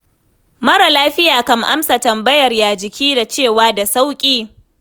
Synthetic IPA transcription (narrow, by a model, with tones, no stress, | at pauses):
mɐ˦ɾa˨laː˦ɸɪ˦jaː˨kɐ˦mʔa̰˦msa˨tɐ˨mbɐ˦jɐ˨rjaː˨d͡ʒɪ˨kʲiː˦da˨t͡ʃeː˦˨waː˦da˨sa˦wkʲʼiː˦